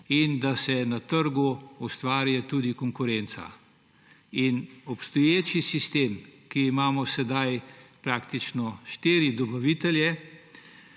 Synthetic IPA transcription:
ind̪asɛnat̪əɾɡuust̪ʋaːɾjɛt̪uːd̪ikɔŋkʊɾɛnt̪sa̰ | inɔpst̪ɔjeːt͡ʃisist̪eːmkiːmaːmɔsɛd̪ajpɾaːkt̪it͡ʃnɔʃt̪iːɾid̪ɔbaʋiːt̪ɛljɛ

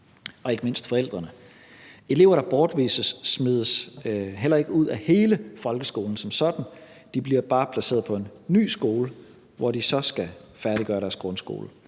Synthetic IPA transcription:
ɒ̽e̝ɡ̥əme̝n̰sd̥fɒ̽el̰d̥ʁɐnə | e̝le̝ʊ̰ɐɾ̥ɑ̈b̥ɒːd̥ʋḭːsəsmið̞ˠəsɦel̰ɐe̝ɡ̥əuð̰ˠæhe̝ːləfɒ̽lɡ̥əsɡ̥o̝̰ːln̩sɒ̽msɒ̽d̥n̩ | d̥ib̥liɐ̰b̥ɑ̈ːpʰlæse̝̰ɐð̞̩ˠpʰɒ̽e̝nːy̰ːsɡ̥o̝ːlə | ʋɒd̥isɒ̽sɡ̥æfæɐɾ̥iɡ̥ɶːɐɾæɐsɡ̥ʁɔ̽nsɡ̥o̝̰ːlə

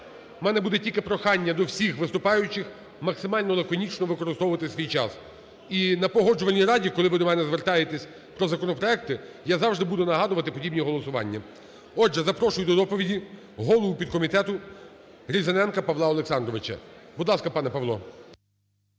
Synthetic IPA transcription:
mɛnɛbud̪ɛtʲilʲkɪpɾɔxɑnʲːɐd̪ɔwsʲixʋɪst̪ʊpɑjʊt͡ʃɪx | mɐksɪmɑlʲnɔlˠɐkɔnʲit͡ʃnɔʋɪkɔɾɪst̪ɔʋʊʋɐt̪ɪsʲʋʲijt͡ʃɑs | inɐpɔɦɔd͡ʒʊʋɐnʲːijɾɑdʲikɔlˠɪʋɪd̪ɔmɛnɛzʋert̪ɑjet̪ɛsʲ | pɾɔzɐkɔnɔpɾɔɛk̚t̪ɪjazɑwʐʒd̪ɪbud̪ʊnɐɦɑd̪ʊʋɐt̪ɪpɔdʲibnʲiɦɔlˠɔsʊʋɑ̰nʲːɐ | ɔdʒɛzɐpɾɔʃʊjʊd̪ɔd̪ɔpɔʋʲidʲi | ɦɔlˠɔʊpʲid̪̚kɔmʲit̪ɛt̪ʊ | ɾʲizɐnɛnkɐpɐʋlˠɑɔlˠeksɑnd̪ɾɔʋɪt͡ʃɐ̰bud̪lˠɑskɐpɑnɛpɐʋlˠɔ

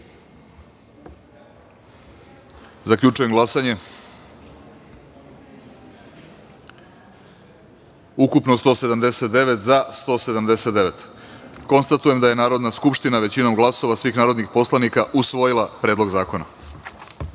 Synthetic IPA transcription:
zaklʎut͡ʃujeŋɡlˠasaɲe̞ | ukupno̞st̪o̞ːse̞d̪amd̪e̞se̞t̪̚d̪e̞ʋe̞t̪zast̪o̞ːse̞d̪amd̪e̞set̪d̪e̞ʋe̞t̪ko̞nst̪at̪uje̞md̪aje̞naːɾo̞d̪naskupʂt̪inaʋe̞t͡ɕino̞mɡlˠaso̞ʋasʋiːxnaːɾo̞d̪nixpo̞slˠanikaʔusʋo̞jilˠapɾe̞ːd̪lo̞ɡzaːko̞na̰

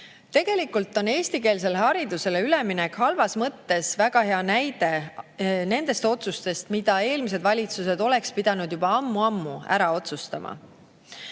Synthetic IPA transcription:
t̪e̞ɡ̥e̞likːˑult̪ːˑo̞ne̞ːsʲt̪ike̞ːls̬e̞lehɑɾid̪̥use̞le̞yle̞minekhɑlvɑsmɤt̪ːe̞svæɡ̥ɑhe̞ɑnæjd̪̥e̞ | ne̞nd̪̥e̞st̪o̞t̪sust̪e̞st̪mid̪̥ɑe̞ːlmis̬e̞d̪vɑlʲit̪sus̬e̞d̪o̞le̞kspid̪̥ɑnud̪̥jubɑɑmːuɑmːuæ̰ɾɑo̞t̪sust̪ɑmʔɑ̰

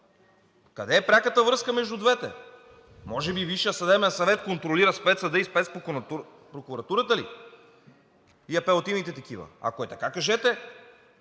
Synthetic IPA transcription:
kɐd̪ɛːpɾʲakət̪əvɾɤskəmɛʒd̪ud̪vɛt̪ɛ̰ | mɔʒɛbiviʃijəsɐd̪ɛbɛnsɐvɛt̪̚kont̪ɾoliɾɐspɛt̪sɐd̪əispɛt̪spɾoɾu | pɾokuɾɐt̪uɾət̪əli | iɐpɛot̪imnit̪ɛt̪ɐk̟ivɐ̰a̰koɛt̪ɐkakɐʒɛt̪ɛ

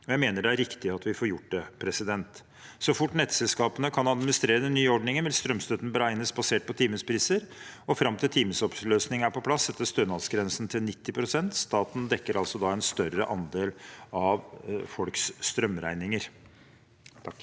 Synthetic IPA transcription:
ɔjæɪmeːnəɖɛæɾɪkt̪ɪɑt̪ʋɪfoːɾjʊʈːd̪ɛpʰɾɛsɪd̪ɛnt̪ | sɔfʊʈːnɛt̪sɛlskɑːpənəkʰɑnɑd̪mɪnɪst̪ɾeːɾəd̪ɛnːyːəɔɖɳɪŋənʋɪlst̪ɾœmst̪œt̪n̩bəɾæɪnəsbɑseːʈ̚pʰɔt̪ʰiːməspʰɾiːsəɾɔfɾɑmt̪ʰɪlt̪ʰiːməsɔpløːsnɪŋəæɾpɔpʰlɑsːɛt̪ːəst̪øːnɑlsɡɾɛnsnt̪ʰɪlnɪt̪ːɪpʰɾʊsɛnt̪st̪ɑːt̪n̩d̪ɛkːəɾʔɑlsɔd̪ɑɛnst̪œɾəʔɑnd̪eːlɑʋfɔlksːt̪ɾœmɾæɪnɪŋəɾ

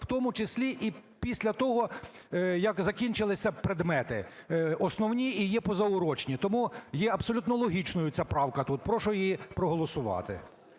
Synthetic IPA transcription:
w̥t̪ɔmʊt͡ʃɪsʲlʲiʔipʲisʲlʲɐt̪ɔɦɔ | jɐkzɐkʲinʲt͡ʃɪlˠɪsʲɐpɾed̪mɛt̪ɪɔsnɔwnʲiijɛpɔzɐʊɾɔt͡ʃnʲit̪ɔmujɛɐbsɔlʲut̪nɔlˠɔɦʲit͡ʃnɔjʊt͡sʲapɾɑwkɐt̪ut̪̚pɾɔʃɔjijipɾɔɦɔlˠɔsʊʋɑ̰t̪ɪ̰

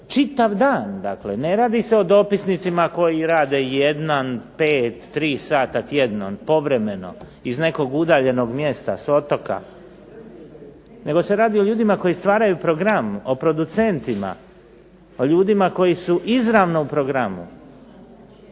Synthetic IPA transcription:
t͡ʃit̪aʋd̪aːnd̪a̰kle̞ne̞ɾaːd̪ise̞o̞d̪o̞pisnit̪simako̞jiɾaːd̪ejed̪nanpeːt̪ːɾiːsaːt̪at̪je̞d̪no̰npo̞ʋɾe̞me̞no̞̰ | izne̞ko̞ɡud̪aːʎe̞no̞ɡmje̞st̪a̰so̞t̪o̞ka̰ | ne̞ɡo̞se̞ɾaːd̪io̞ʎuːd̪imako̞jist̪ʋaːɾajupɾo̞ɡɾamopɾo̞d̪ut̪se̞nt̪ima̰ | o̞ʎuːd̪imako̞jisuʔizɾaʋno̞upɾo̞ɡɾamṵ

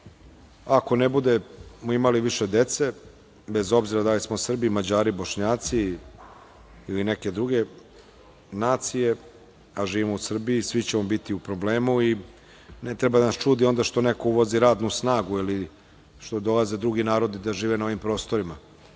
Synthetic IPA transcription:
ako̞nebud̪e̞moimaliʋiʃe̞d̪e̞t̪se̞ | be̞zo̞bziɾad̪alismosr̩biːmad͡ʑaːɾiboʃɲaːt̪si | lineke̞d̪ɾuɡe̞ | naːt̪sije̞ | aʒiːʋimo̞usr̩biisʋit͡ɕeombit̪iupɾo̞bleːmui | net̪ɾebad̪anast͡ʃuːd̪io̞nd̪aʃt̪onekouʋoziɾaːd̪nusnaːɡuili | ʃt̪o̞d̪o̞lˠaze̞d̪ɾuɡinaːɾo̞d̪id̪aʒiːʋenao̞ʋimpɾo̞ːst̪o̞ɾima

